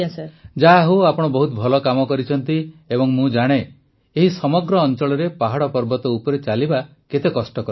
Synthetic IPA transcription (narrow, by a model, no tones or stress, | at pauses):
sd͡ʒaɦuapɔɽ̃ɔbɔɦut̪ɔbʱɔlɔkamɔkɔɾit͡ʃʰɔnt̪iebɔŋmũd͡ʒaɽ̃e | eɦisɔmɔɡɾɔːnt͡ʃɔɭɔɾepaɦaɽɔpɔɾbɔt̪ɔupɔɾet͡ʃaliba | ket̪ekɔsʈɔkɔɾ